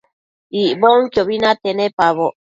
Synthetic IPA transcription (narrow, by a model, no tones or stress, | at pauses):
iʔboŋkjoβinat̪enepaβo